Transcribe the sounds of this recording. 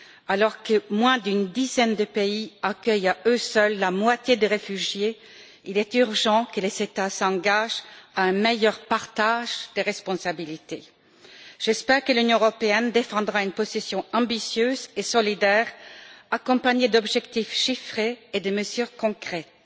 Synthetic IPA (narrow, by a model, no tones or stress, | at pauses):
alɔʁkəmwɛ̃d̪ynd̪izɛnd̪əpeiakʲœjaøsœlːamwat̪jed̪eʁefyʒje | ilɛt̪yʁʒɑ̃kəlezet̪asɑ̃ɡaʒaɛ̃mejœʁpaʁt̪aʒd̪əʁɛspɔ̃sabilit̪e | ʒ̥ɛspɛʁkəlynjɔ̃əʁɔpeɛnd̪efɑ̃d̪ʁaynpɔsesjɔ̃ɑ̃bisjøzesɔlid̪ɛːʁakɔ̃paɲed̪ɔbʒɛkt̪ifʃifχeːd̪əməzyːʁkɔ̃kχɛt̪